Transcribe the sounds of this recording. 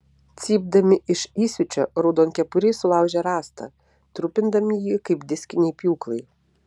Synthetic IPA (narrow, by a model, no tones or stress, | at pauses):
t̪sʲiːb̚d̪ɐmʲɪʔɪʃiːsʲʊt͡ʃʲoɾʊd̪oːnkʲɛpʊɾʲeːsʊlˠɑˑʊʒʲɛɾɑːst̪ɐ̰ | t̪ɾʊpʲɪnd̪ɐmʲɪjiːkɐɪpd̪ʲɪsʲkʲɪnʲɛɪpʲjuːklˠɐɪ